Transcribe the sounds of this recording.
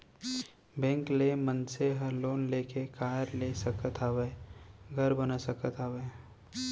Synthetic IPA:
bɛ̃ːŋklemə̃nseɦɐɾloːnleːkekaːɾlesəkət̪aːʋeːɡʱəɾbənasəkət̪aːʋeː

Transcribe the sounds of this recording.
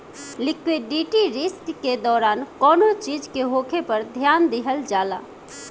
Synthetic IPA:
likwiɖiʈiɾiskked̪ɔːɾankɔnot͡ʃid͡ʒkeɦokʰepəɾd̪ʱjand̪iɦəld͡ʒala̰

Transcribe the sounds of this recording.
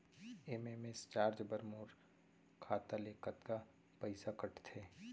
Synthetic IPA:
eːmeːmest͡ʃaːɾd͡ʒbəɾmuːɾ | kʰaːt̪aleːkət̪ka | pəɪsakɐʈʰt̪ʰeː

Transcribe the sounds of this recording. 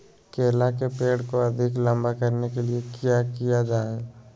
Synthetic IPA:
keːlakepeːɽkoɐd̪ʱɪklɐ̃mbakɐɾnekeliekjaːkijad͡ʒaːe

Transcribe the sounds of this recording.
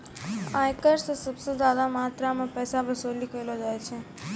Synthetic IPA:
aːjkəɾsesəbsezaːd̪amaːt̪ɾamẽpɛːsabəsoːlikəjlod͡ʒaːjt͡ʃʰe

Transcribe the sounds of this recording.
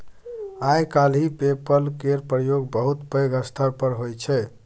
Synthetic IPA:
ajkalɦipepəlkeɾpɾəjoɡbəɦut̪pəjɡəst̪ʰəɾpəɾɦojt͡ʃʰɛ

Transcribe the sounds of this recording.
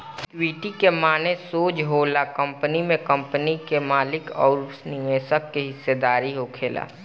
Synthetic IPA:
kːɾiʈikemaːnesoːd͡ʒɦoːlakə̃mpənimẽkə̃mpnikemaːlɪkɔ̰ːɾsnɪmeːsəkːeɦɪsːed̪aːɾiɦokʰeːla̰ː

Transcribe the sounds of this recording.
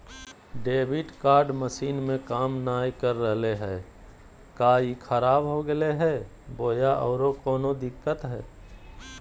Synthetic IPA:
ɖeːbɪʈkaːɾɖməʃiːnmẽkaːmnaːjkəɾːəɦleɦɛː | kaːikʰəɾaːbɦoɡəeɦɛː | boːjaʔɔːɾokɔːnod̪ɪkːət̪ɦɛː

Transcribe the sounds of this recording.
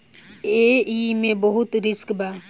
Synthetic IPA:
eːiːmẽbəɦʊt̪ɾɪskbaː

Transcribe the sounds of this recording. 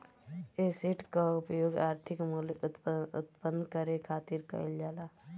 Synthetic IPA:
esiʈkaʊpjoːɡaːɾt̪ʰɪkmult̪ʊ̰t̪pənːkəɾekʰaːt̪iɾkə̰ld͡ʒaːlaː

